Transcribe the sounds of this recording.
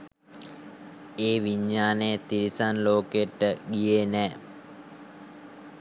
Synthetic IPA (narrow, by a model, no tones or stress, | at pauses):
eːʋiɲːaːnet̪iɾisanloːkeʈːəɡijenɛː